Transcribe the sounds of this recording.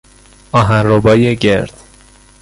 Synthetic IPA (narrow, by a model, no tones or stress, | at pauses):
ɒːɦænrobɒːjeɟe̞ɾd̪̥